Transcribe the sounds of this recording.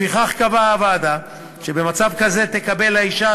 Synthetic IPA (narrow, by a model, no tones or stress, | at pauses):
iχaχkavaːvad̪a | ʃe̞be̞mat͡savkaze̞t̪e̞kabe̞laiʃa